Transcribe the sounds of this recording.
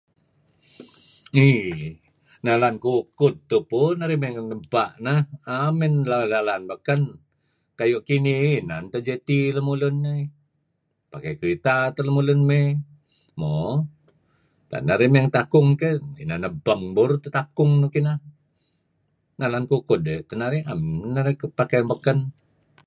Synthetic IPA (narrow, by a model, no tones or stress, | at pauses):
i | nalankukʊt̪ːupunaɾimeŋnəbaʔnahamɛnlanalanbəkən | kajuʔkiniinant̪ad͡ʒet̪iləmulʊnːa | pakajkəɾit̪at̪ələmulʊnme | mo | t̪a̰naɾimeŋt̪akʊŋkəḭnanəbəŋbuɾt̪ət̪akʊŋnukinah | nalankukʊdet̪ənaɾiamnːaɾikpakabəkən